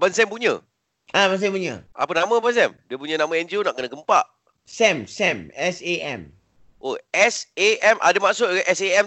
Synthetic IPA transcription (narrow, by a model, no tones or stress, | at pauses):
bansɛmpuɲə̰̃ | abans̬ɛpuɲə̰̃a̰pənamə̃bans̬ɛmdiəpuɲə̃namə̃ɛnd͡ʒunaʔkənəɡəmpaʔ | sɛ̃msɛmɛseʔɛ̰̃m | ʔoɛseɛmʔa̰damaʔsʊt̪̚ɡaʔɛseɛm